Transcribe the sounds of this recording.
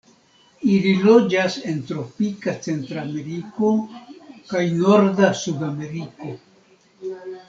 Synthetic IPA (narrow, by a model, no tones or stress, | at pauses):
ililod͡ʒase̞nt̪ɾopikat͡sent̪ɾameɾiko | kajnoɾdasudame̞ɾiko